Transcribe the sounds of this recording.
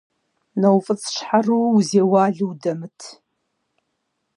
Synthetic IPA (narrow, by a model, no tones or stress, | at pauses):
nɐwfʼɨt͡sʼʰʂħaruwzeːwaːɮɨwdɐmɨtʰ